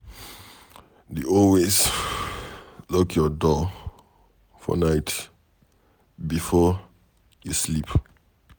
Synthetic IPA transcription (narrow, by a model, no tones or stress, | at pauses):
duɔlwes | lɔkʰjɔdɔ | fɔ̰naɪt | bifɔ | juslip